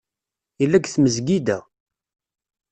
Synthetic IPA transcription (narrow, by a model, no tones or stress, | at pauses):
ilːæɡθməzɡid̪æ